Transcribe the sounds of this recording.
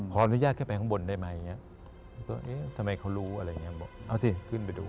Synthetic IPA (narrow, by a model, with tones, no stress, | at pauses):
kʰɔː˩˦a˧nu˦˥jaː˥˩k̚ʰːpa˧˩kɔ˦˥bo˧ndaː˥˩jma˦˧˥ja˨˩ŋːi˦˥ɐ˧˥˩ | kɔ˥˩ʔeː˦˥t̪ʰa˧ma˧jkʰa˦˥wɾuː˦˥ʔa˧ɾa˧ja˨ŋːi˦˥bɔ̰ː˧˩ʔa˧˩wsi˧˩kʰɯ˥˩np̬a˧jdṵː˧